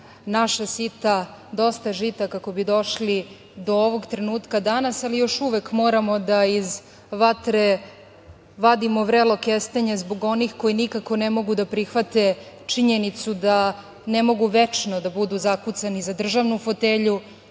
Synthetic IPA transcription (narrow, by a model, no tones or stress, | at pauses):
naʃasit̪ad̪o̞st̪aʒit̪akako̞bid̪o̞ʃli | d̪o̞oʋo̞ɡt̪ɾe̞nuːt̪kad̪anasalijo̞ʃuʋe̞kmo̞ːɾamo̞d̪aiz | ʋat̪ɾe | ʋad̪imo̞ʋɾelo̞kest̪eɲezbo̞ɡo̞nixko̞jinikako̞nemo̞ɡud̪apɾixʋat̪e̞ | t͡ʂiɲe̞nit̪sud̪a | ne̞mo̞ɡuʋe̞t͡ʃnod̪abud̪uzakut̪sanizad̪r̩ʒaʋnufo̞t̪eʎu